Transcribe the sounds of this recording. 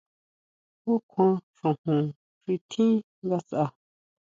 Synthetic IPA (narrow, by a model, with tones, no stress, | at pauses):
o˦kʰʷã˧ʂũ˨hũ˨ | fi˧t̪ʰĩ˦ | ŋɡa˧sʔa˧